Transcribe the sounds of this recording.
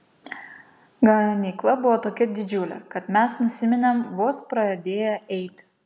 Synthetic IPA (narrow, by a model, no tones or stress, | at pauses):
ɡɐnʲiklˠɐbʊʋoːt̪oːkʲɛd̪ʲɪd͡ʒʲʊlʲɛ̰kɐt̪mʲɛsnʊsʲɪmʲɪnʲɛmʋoːspɾɐɛd̪ʲeːjɛʔɛɪt̪ʲ